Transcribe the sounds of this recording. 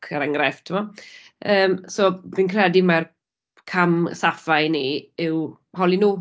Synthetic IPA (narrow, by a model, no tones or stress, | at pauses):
kʰəɾɛŋrɛftʰɪmɔ | əːmsoːvinkʰrɛdimar | kʰamsafajniɪw | hɔlinuː